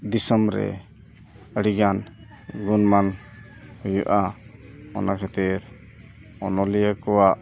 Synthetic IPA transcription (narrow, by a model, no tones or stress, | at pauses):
d̪isɔmɾɛ̰ | əɽiɡan | ɡunman | hujuʔa | ɔ̰nakʰɛt̪iɾ | ɔnɔlijakɔwaʔ